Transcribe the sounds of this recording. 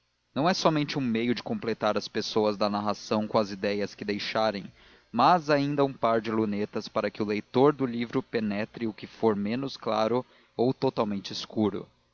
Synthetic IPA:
nɐ̃w̃ɛsɔmẽnt͡ʃɪũmejʊd͡ʒɪkõplet̪aɾɐspesowɐzd̪ɐnaɦasɐ̃w̃kõɐzid̪ɛjɐskɪd̪ejʃaɾẽj̃ | mɐzaĩnd̪ɐũpaɾd͡ʒɪlunet̪ɐspaɾɐkɪʊlejt̪oɾd̪ʊlivɾʊpenɛt̪ɾɪʊkɪfoɾmẽnʊsklaɾʊ | owt̪ot̪awmẽnt͡ʃɪskuɾʊ̰

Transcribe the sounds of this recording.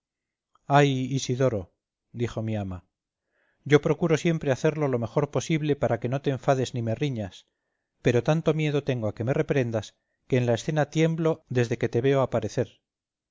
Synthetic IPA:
ajisiðo̞ɾo | d̪ixo̞miama | ɟ͡ʝo̞pɾo̞kuɾo̞sje̞mpɾe̞aθe̞ɾlo̞lo̞me̞xo̞ɾpo̞siβle̞paɾake̞no̞t̪e̞ːɱfaðe̞znime̞riɲas | pe̞ɾo̞t̪ant̪o̞mje̞ðo̞t̪e̞ŋɡo̞ake̞me̞re̞pɾe̞nd̪as | ke̞ːnlae̞sθe̞nat̪je̞mblo̞ðe̞zðe̞ke̞t̪e̞βe̞oapaɾe̞θe̞ɾ

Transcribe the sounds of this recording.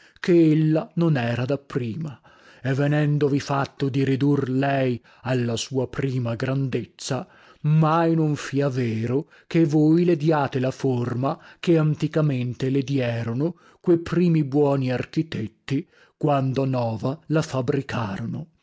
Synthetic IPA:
keelːanonɛːɾad̪apːɾiːma | ɛvːenɛnd̪ovifat̪ːod̪iɾid̪urlɛj | alːasuːapɾiːmaɡɾand̪et̪sːa | majnoɱfiaveːɾo | kevojled̪jaːt̪elaformakeant̪ikament̪eled̪jɛːɾono | kwejpɾiːmibwɔːniark̟it̪et̪ːi | kwand̪onɔːvalafabɾikʰaːɾono

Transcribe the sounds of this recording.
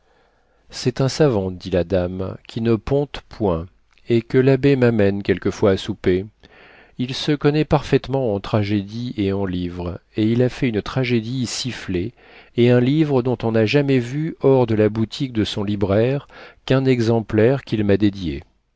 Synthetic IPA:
sɛt̪ɛ̃savɑ̃d̪ilad̪amkʲʰinəpɔ̃t̪pwɛ̃ | ekəlabemamɛnkʲɛlkəfwaːsupe | ilsəkɔnɛpaʁfɛt̪mɑ̃ɑ̃t̪χaʒed̪ieɑ̃livʁeilafɛynt̪χaʒed̪isifle | eɛ̃livʁəd̪ɔ̃t̪ɔ̃naʒamɛvyɔʁd̪əlabut̪ʰik̚d̪əsɔ̃libʁɛʁkɛ̃nɛɡzɑ̃plɛʁkʲilmad̪ed̪je

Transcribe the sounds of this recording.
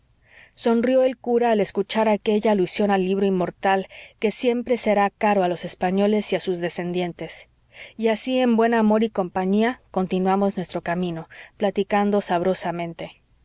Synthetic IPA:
so̞nrjo̞e̞lkuɾaːle̞skut͡ʃaɾake̞ʝaːlusjo̞nalːiβɾo̞inmːo̞ɾt̪alke̞sje̞mpɾe̞se̞ɾakaɾo̞alo̞se̞spaɲo̞le̞siasuzðe̞se̞nd̪je̞nt̪e̞s | iasie̞mbwe̞namo̞ɾiko̞mpaɲiako̞nt̪inwamo̞znwe̞st̪ɾo̞kamĩno̞plat̪ikand̪o̞saβ̞ɾo̞samẽnt̪e̞

